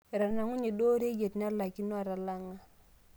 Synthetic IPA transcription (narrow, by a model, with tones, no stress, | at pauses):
ɾa˨na˨ŋu˦ɲe˨do˦ɾe˦je˨tn˦a˦la˨ki˦nɔ˦a˨ɾa˨la˦ŋa˦